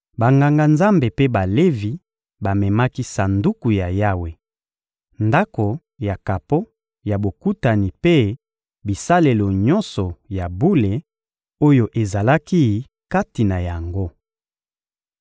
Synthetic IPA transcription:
ba˨ŋɡa˨ŋɡa˨nza˦mbe˨pe˦ba˨le˦vi˨ | ba˨mɛ˨ma˦ki˦sa˨ndu˦ku˨ja˨ja˦we˨ | nda˦ko˨ | ja˨ka˨po˦ | ja˨bo˨ku˦ta˨ni˨pe˦ | bi˨sa˦le˨lo˨ɲɔ˦nsɔ˨ja˨bu˦le˨ | o˦jo˨ʔe˨za˨la˦ki˦ | ka˦ti˨na˨ja˨ŋɡo˦

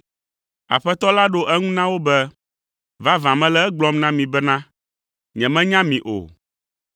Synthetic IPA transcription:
a̰˨ɸɛ˦t̪ɔ˦la˦ɖo˦ʔɛ˦ŋũ˦nã˦wo˦bɛ˦ | va˦vã˨mɛ̃˦lɛ˦ɛ˦ɡ͡blɔ˦mnã˦mĩ˨bɛ˦nã˦ | ɲɛ̃˨mɛ̃˦ɲã˦mĩ˨ʔo̰˨

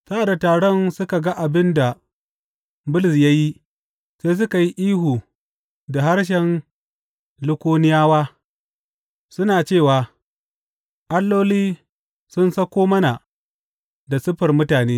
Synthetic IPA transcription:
sa˦˨da˨taː˨ɽɔ˦nsʊ˦ka˨ɡa˦ʔa˨bɪ˦nda˨ | bʊ˦lɪ˨s̬ja˦ji˦ | se˦s̬ʊ˦ka˨ji˦ʔiː˦huː˨ | da˨ɦa˦ɽʃ̬ɛ˨n | lʊ˦kʷoː˦nɪ˦jaː˦waː˦ | sʊ˦naː˨t͡ʃeː˦˨waː˨ | ʔa˦lːoː˦liː˦ | sʊ˦nsɐ˦kʷoː˦mɐ˦na˨ | da˨sʊ˦ɸɐ˨rmʊ˦taː˨neː˦

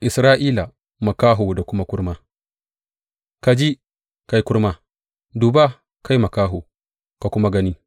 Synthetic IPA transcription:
ʔɪ˨sɾaː˦ʔiː˦la˨ | ma˨kaː˦ɦu˨da˨kʷʊ˦ma˦kʊ˦ɾma˦ | ka˨d͡ʒi˦ | ka˨jkʊ˦ɾma˦ | duː˨ba˦ | ka˦jmɐ˨kaː˦ɦu˨ | ka˨kʷʊ˦ma˦ɡɐ˦niː˦

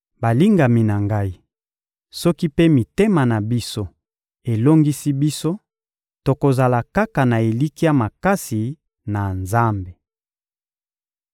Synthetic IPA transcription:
ba˨li˦ŋɡa˨mi˨na˨ŋɡa˦i˦ | sɔ˦ki˦pe˦mi˨te˦ma˨na˨bi˦so˦ | e˨lo˦ŋɡi˦si˦bi˦so˦ | to˨ko˨za˨la˨ka˦ka˨na˨e˨li˦ki˦a˨ma˨ka˦si˨ | na˨nza˦mbe˨

